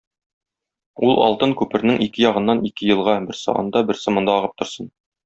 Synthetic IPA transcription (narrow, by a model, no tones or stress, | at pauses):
ulˠɒ̰lˠt̪ɤŋkʉpɘ̆ɾnɘŋʔikɘjɒʁɤ̆nːɑnʔikɘjɤ̆lˠʁɑbɘ̆ɾsɤ̰ɒ̰nd̪ɑbɘ̆ɾsɤmɤ̆nd̪ɑːʁɤp̚t̪ŏɾsɤn